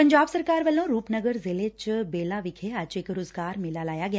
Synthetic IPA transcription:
pəɲd͡ʒaːbsəɾkaːɾʋəlõɾuːpnəɡəɾzelet͡ʃbeːlaʋɪkʰeat͡ʃekɾoːzɡaːɾmɪlalaːjaɡəj

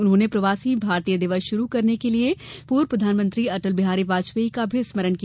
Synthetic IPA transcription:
ʊnɦõːnepɾɐʋaːsibʱaːɾt̪ijəd̪ɪʋəsʃʊɾukɐɾnekeliepuːɾpɾɐd̪ʱaːnmə̃nt̪ɾiɐʈəlbɪɦaːɾiʋaːt͡ʃʋəikabʱɪsməɾənki

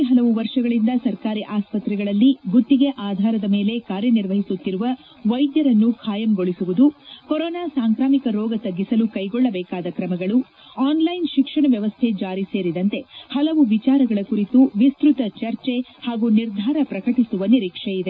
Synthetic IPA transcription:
ɦɐlɐʋuʋɐɾʂɐɡɐɭind̪ɐsɐɾkaːɾiʔaːspɐt̪ɾɛɡɐɭɐlːiɡut̪ːiɡe̞ʔaːd̪ʱaːɾɐd̪ɐme̞ːle̞kaːɾjɐniɾʋɐɦisut̪ːiɾuʋɐ | ʋɐjd̪jɐɾɐnːukʰaːjɐmɡo̞ɭisuʋud̪ukɔɾɔːnaːsaːŋkɾaːmikɐɾɔːɡɐt̪ɐɡːisɐlukɐjɡɔɭːɐbɛːkaːd̪ɐkɾɐmɐɡɐɭu | aːnlɐjnʃikʂɐɳɐʋjɐʋɐst̪ʰe̞d͡ʒaːɾise̞ːɾid̪ɐnt̪e̞hɐlɐʋuʋit͡ʃaːɾɐɡɐɭɐkuɾit̪uʋist̪ɾut̪ɐt͡ʃɐɾt͡ʃe̞haːɡuniɾd̪ʱaːɾɐpɾɐkɐʈisuʋɐniɾiːkʂejid̪e

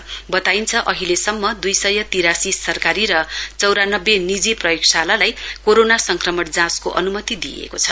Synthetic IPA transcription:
bʌt̪aint͡sʰʌʔʌɦilesʌmːʌd̪ujsʌjʌt̪iɾasisʌrkaɾiɾʌt͡sʌwɾanʌbːenid͡ziprʌjoksalalajkoɾonasʌŋkrʌmʌʈd͡zãskoʔʌ̰numʌt̪id̪iḛkot͡sʰʌ

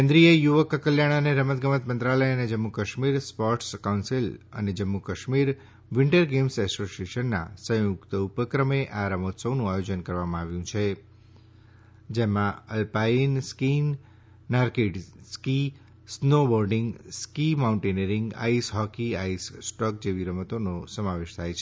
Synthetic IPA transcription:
kɛ̃nd̪ɾijəjuʋəkəkəljaɽ̃aneɾəmət̪̚ɡəmət̪mənt̪ɾaləjəned͡ʒəmːukəʃmiɾspɔʈskawnsilə̰ned͡ʒəmːukəʃmiɾ | ʋɪɳʈəɾɡemsɛsoseʃənːa̰sə̃jʊkt̪əupəkɾəmeʔaɾəmot̪səwnũajod͡ʒənkəɾʋamãaʋjũt͡ʃʰe | d͡ʒemãəlpainskinː | aɾkiʈski | snobɔɾɖɪŋɡskimaũɳʈeneɾĩŋɡa̰isɦɔkiaisːʈɔk̚d͡ʒeʋiɾəmət̪onosəmaʋeʃt̪ʰajt͡ʃʰe

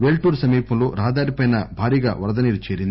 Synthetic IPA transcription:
ʋeːlʈuːɾsɐmiːpɐmlo̰ːɾaːd̪aːɾipɐjnɐbʱaːɾiːɡa̰ːʋɐɾɐd̪ɐniːɾut͡ʃeːɾind̪

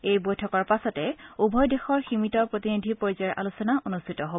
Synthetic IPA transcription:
ejbojtʰɔkɔɹpasɔtɛubʱɔjdexɔɹximitɔpɹot̪inidʱipoɹizɔɛɹʔa̰lusɔnaʔonustʰitɔɦo

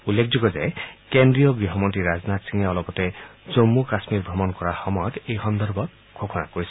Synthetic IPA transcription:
ulːekʰd͡ʒoɡɔzajkend̪ɾijɔɡɾiɦɔmɔntiɾaznat̪siŋeɔlɔbɔt̪ed͡ʒomːukasmiɾbʱɾɔmɔnkɔɾaxɔmɔjɔt̪ejxɔnd̪ɔɾbɔt | ɡʱokʰɔnakoɾisɔ

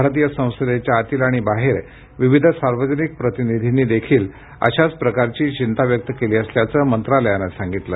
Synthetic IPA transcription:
bʱaɾt̪̬ijəsə̃w̃səd̪et͡ɕjaːt̪iːlaɽ̃ibaɦeɾ | ʋiʋid̪ʱəsaɾʋəd͡ʑənik̚pɾət̪inid̪ʱiniːd̪ekʰiːl | ə̰ɕat͡spɾəkaɾt͡ɕiːt͡ɕint̪aʋjək̚t̪əkeliːəsljat͡səːmənt̪ɾaləjanəsãŋɡit̪lə̰

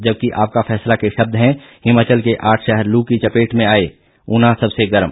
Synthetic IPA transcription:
d͡ʒəb̚kiʔaːp̚kapʰɛːslakeʃɐb̚d̪ʱɦɛ̃ | hɪmːat͡ʃəlkeʔaːʈʰʃɛɦɛɾlukit͡ʃəpeːʈmẽaːe | ʊnãsɐbseɡəɾm

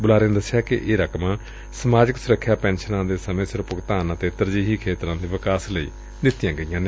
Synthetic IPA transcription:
bʊlaːɾẽːnd̪əsːjaːkɪ̰ʔeːɾəkʰmãː | səmaːd͡ʒɪksʊɾəkʰːjaːpɛ̃ːnʃənãːd̪eːsəmẽːsəɾpʊɡt̪aːnət̪eːt̪əɾd͡ʒiːɦiːkʰeːt̪ɾãːd̪iːʋɪkaːsləḭː | d̪ɪt̪ːijãːɡəijãːn

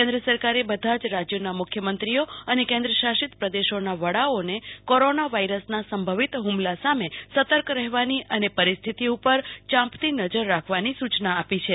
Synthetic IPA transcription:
kɛ̃nd̪ɾəsəɾkaɾebəd̪ʱad͡ʒɾad͡ʒjonamʊkʰjəmənt̪ɾijoənekẽnd̪ɾəʃaʃit̪pɾəd̪eʃonaʋəɽaonekoɾonaʋaiɾəsnasəmbʱəʋit̪ɦumlasamesət̪əɾkɾɛɦʋaniʔənepəɾist̪ʰit̪iupəɾt͡ʃãmpt̪inəd͡ʒəɾːakʰʋanisut͡ʃnaːpit͡ʃʰe

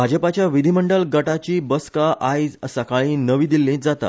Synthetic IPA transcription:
bʱad͡ʑəpat͡ɕjaʋid̪ʱiməɳɖəlɡəʈat͡ɕiːbəskaʔajd͡zəsakaɭĩːnəʋiːd̪ilːĩːd͡zat̪a̰

